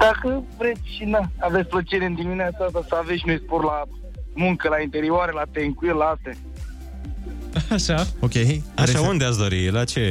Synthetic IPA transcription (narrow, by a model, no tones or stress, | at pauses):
d̪̥akəvɾet̪sʲʃinaavetsʲplət͡ʃeɾeɨnd̪iminiat̪sad̪asəaveʃmespoɾla | muŋkəlaint̪eɾioaɾelat̪eŋkuilaat̪e | aʃaokʲeaʃaund̪easd̪o̞ɾilat͡ʃe